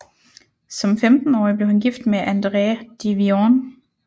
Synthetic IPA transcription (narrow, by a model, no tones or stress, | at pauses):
sɒ̽mfemd̥n̩ɒ̰ːɪib̥leʊhænɡ̥ifd̥meʔænd̥ʁeːd̥iʋioːn